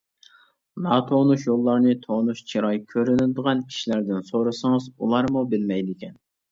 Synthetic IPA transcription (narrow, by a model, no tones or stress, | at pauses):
nɑt̪ʰonuʃjolˠːɑɾnɨt̪ʰonuʃt͡ʃʰiɾɑjkʲʰøɾynɪld̪əʁɑnʰi̥ʃlæɾd̪ɪnsoɾɨsɨŋɨzṵlˠɑɾmubɪlmɛjd̪ɪkʲɛn